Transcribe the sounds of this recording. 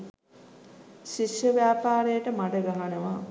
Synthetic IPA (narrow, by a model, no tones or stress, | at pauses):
ʃiʃjəʋjaːpaːɾejəʈəmaʈəɡaɦanəʋa